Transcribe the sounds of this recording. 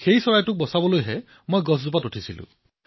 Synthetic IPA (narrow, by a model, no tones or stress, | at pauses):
xejsɔɹajtuk̚bɔsabɔlojɦe | mojɡɔszupatuʈʰisilṵ̃